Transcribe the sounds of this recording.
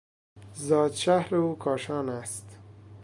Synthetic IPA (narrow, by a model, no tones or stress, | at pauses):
zɒːd̪ʃahɾeukʰɒːʃɑːnast̪